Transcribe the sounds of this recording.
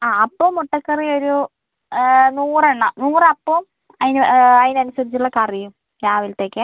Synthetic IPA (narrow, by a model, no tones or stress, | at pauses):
aːɐpːoːmːuʈːɐkːɐrio̞ɾu | nuːreɳːɐnuːrɐpːoːm | ɐðinɐðinɐnusɐðit͡ɕːuɭːɐkɐrijum | kaːʋilt̪e̞ːkːɨ